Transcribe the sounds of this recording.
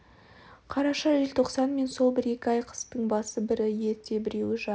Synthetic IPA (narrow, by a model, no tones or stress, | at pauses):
qʰɑɾɑʃɑʒelt̪ʰo̞qsɑnme̞nso̞lˠbɪɾe̞kʲɪɑjqʰə̥st̪əɴbɑsəbɪɾɪje̞ɾt̪ʰe̞bɪɾe̞wɪʒɑ